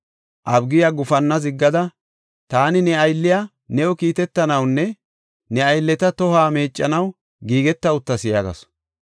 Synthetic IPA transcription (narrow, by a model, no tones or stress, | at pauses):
ʔɐbɡɪjaɡʊfɐnːɐzɪɡːɐd̪ɐ | t̪aːnɪnɛɐjlːɪja | nɛɔkiːt̪ɛt̪ːɐnɐwnːɛ | nɛɐjlːɛt̪ɐt̪ɔhaːme̞ːt͡ʃʼːɐnɐw | ɡiːɡɛt̪ːɐʊt̪ːɐsɪjaːɡɐ̰s